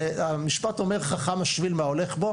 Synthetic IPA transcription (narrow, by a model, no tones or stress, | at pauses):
amiʃpato̞meʁχaχamaʃvilmaole̞χbo̞